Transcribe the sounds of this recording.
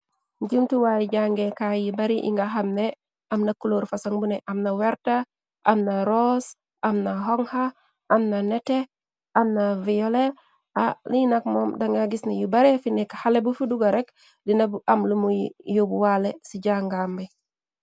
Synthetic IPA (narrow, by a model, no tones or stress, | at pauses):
ɲɟumtuwajiɟaŋɡekajibaɾiʔḭŋɡaɦamne | amnakuloːɾfasaŋbuneʔamnaweɾta | ʔamnaɾos | ʔamnaɦoŋha | amnanete | ʔamnavijole | alinakmomdaŋɡaɡisnejubaɾefinekḁhalebufuduɡaɾek | dinabamlumujijubuwalesiɟaŋɡambi